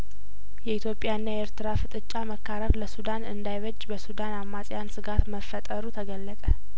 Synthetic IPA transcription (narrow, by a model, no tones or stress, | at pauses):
jɛit̪jopʼjaɨnːaeɾt̪ʰɨɾafɨt̪ʼɨt͡ʃʼːaməkʰːaɾəɾləsud̪anɨnd̪ajβəd͡ʒːbəsud̪anamːasʼjansɨɡat̪məfːət̪ʼəɾut̪ʰəɡəlːət̪ʼə